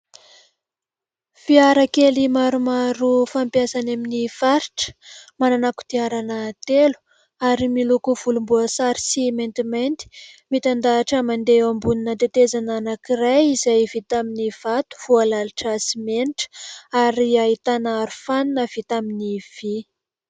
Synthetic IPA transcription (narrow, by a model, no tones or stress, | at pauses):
fiaɾakelimaɾumaɾufampjasanaminifaɾiʈ͡ʂə̥mananaku̥d̪̥iaɾanət̪elu̥ | aɾimilukuv̥ulumbuəsaɾi̥siment̪iment̪i̥mit̪and̪aːʈ͡ʂəmand̪eambuninat̪et̪ezananakiɾajizajvit̪aminiv̥at̪u̥v̥ualalʈ͡ʂasimeniʈ͡ʂə̥aɾiait̪anaɾufaninəv̥it̪aminiv̥i